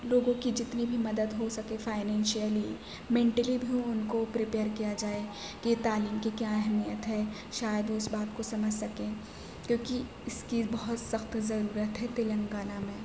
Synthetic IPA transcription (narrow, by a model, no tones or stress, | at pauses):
loːɡõkid͡ʒɪt̪nibʱimɐd̪əd̪ɦosɐkẽfaːɪnɛ̃ːnʃijəli | mẽːɳʈəlibʱiɦũʊnkopɾipeːəɾkijad͡ʒaːe | ket̪aːliːmkikjaɛɦmijət̪ɦɛ | ʃaːjəd̪oɪsbaːt̪kosɐməd͡ʒʱsɐkẽː | kjõːki | ɪskibɐɦʊt̪sɐxt̪zɐɾuːɾət̪ɦɛt̪ɪlə̃ŋɡaːnamẽː